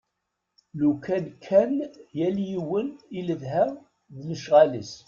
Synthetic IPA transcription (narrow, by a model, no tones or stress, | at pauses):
lukænkʰːænjæljiwəniləðɦæ | ðləʃʁalis